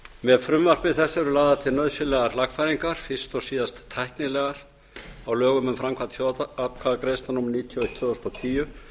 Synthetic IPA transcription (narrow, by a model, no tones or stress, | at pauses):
mɛðfɾʏmvar̥pɪðθɛsːɪvɛɾʏlaːðaðt̪ʰɪlnœðsɪlɛɣaɾlaɣfajɾiŋkaɾ̥fɪ̥st̪ɔsiːðast̪ʰːajhknɪlɛːɣaɾ̥ | awlœːɣʏmʏmfɾamkʰvant̪ʰjoakʰvaðkɾejst̪anumːaɾniːt̪ʰjɔejt̪ʰːjœðɔst̪ɔwt̪ʰiːjʏ